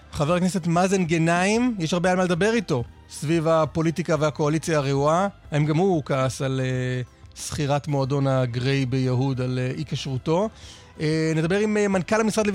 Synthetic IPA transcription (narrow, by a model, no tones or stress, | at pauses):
χaveʁknesetmazenɡenaimjeʃhaʁbejalmaled̪abe̞ʁito̞ | svivapo̞litikaveako̞alit͡sjaːʁeuahaemɡamhukaːsalesχiʁatmoado̞naɡʁejbejaɦudaleikaʃʁuto̞ | ened̪abe̞ʁimemankalhamisʁadle